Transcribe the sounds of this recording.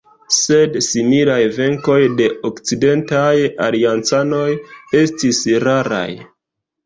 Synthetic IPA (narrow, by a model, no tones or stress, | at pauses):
se̞dsimilajve̞ŋko̞jde̞okt͡side̞ntajaliant͡sano̞je̞stisɾaɾa̰j